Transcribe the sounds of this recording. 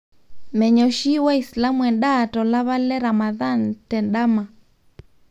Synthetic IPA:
mɛ˨ɲɔ˨ʃi˦wa˦isla˦muɛ˨nda˨tɔ˨la˦βa˦lɛ˦ɾa˨ma˨ða˦n̩tɛ˨nɗa˦ma˨

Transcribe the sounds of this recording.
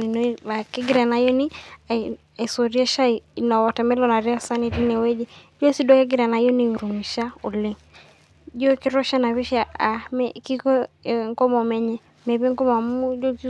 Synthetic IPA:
i˨n˦a˨ki˦ɡɪ˦ɾa˨na˨jɔ˦ni˦ | a˨i˨so˨ɾi˦ɛ˦ʃa˦˨na˨wɔ˨tɛ˨mɛ˦lɔ˦na˨ɾɛ˦ɔ˦sa˦ni˨di˦ne˨we˦d͡ʒe˦d͡ʒɔ˦si˦dɔ˦ke˦ɡɪ˦ɾa˨na˨jɔ˦ni˨u˨ɾu˨mi˨ʃa˦o˨li˦ŋ | d͡ʒɔ˦ki˦ɾɔ˦ʃa˦na˨βi˦ʃa˨a˨mɛki˦kɔ˦ŋkɔ˦mɔ˨mɛ˦ɲɛ˦ | mɛ˨βi˦ŋkɔ˦ma˨mu˦d͡ʒɔ˦

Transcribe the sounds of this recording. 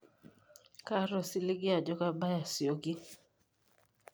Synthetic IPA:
ka˦ɾɔ˨sɪ˦lɪ˦ɡɪ˦a˨d͡ʒɔ˦ka˦ba˦ja˨sjo˨ɡɪ˦

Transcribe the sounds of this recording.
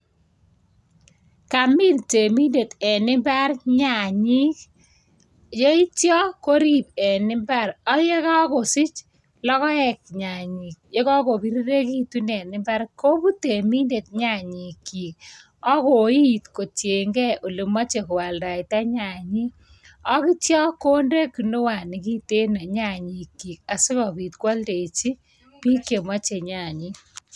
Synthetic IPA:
ka˨mi˦nte˨mi˦nde˨tɛ˨nɪ˦ba˦ɾɲa˨ɲi˦k | jo˦i˦tjɔ˦ko˦ɾi˦p̚ɛ˨nɪ˦mba˦ɾɔ˦jɛ˦ka˦kɔ˨sɪ˦t͡ʃ | lɔ˦kɔ˦ɛ˨k̚ɲa˨ɲɪ˨k̚je˦kɔ˦ko˨bi˦ɾi˦ɾe˦ki˦tu˦nɛ˨nɪ˦mba˦ɾko˦bu˦te˨mi˦nde˨t̚ɲa˦˨ɲi˨kːi˨k̚ | ɔ˦ko˨˦i˦˨tko˨t͡ʃje˨ŋɡɛ˦ʔo˨le˨ma˦t͡ʃe˨ku˨wa˨lda˨ita˦ɲa˨ɲi˦ | ɔ˦ki˦tjɔ˦ko˦nde˦ku˨nu˦wa˨ni˨ki˦te˦na˨ɲa˨ɲi˨kːi˨k̚a˨sɪ˦kɔ˨pi˨tkwa˦lde˨it͡ʃi˦ | pi˦kje˨ma˦t͡ʃe˨ɲa˨ɲi˦

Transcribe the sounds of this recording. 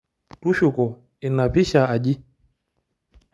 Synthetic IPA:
tu˦ʃu˨kɔ˨ | i˨na˨pi˦ʃa˨a˨ʄi˦

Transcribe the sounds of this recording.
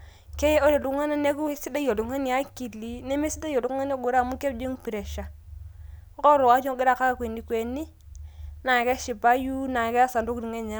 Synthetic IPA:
ke˦je˦o˦ɾe˨du˦ŋa˦na˦ne˦ku˦si˦da˦jo˨du˨ŋa˦ni˦a˦ki˨lːi˨˦ne˦me˦si˦da˦jo˨du˨kŋa˦n˦a˦ɡu˨ɾa˦˨mu˦ke˦˨d͡ʒi˦ŋpi˨ɾe˨ʃa˨˦ | ko˦ɾo˨a˦d͡ʒo˦ɡi˦ɾa˦˨ka˦ka˦˨kwe˨nːi˨kwe˨nːi˦ | na˨ke˦ʃi˨ba˦ju˦na˨ke˦a˦sa˨ndo˦kdi˨ŋe˦ɲa˦

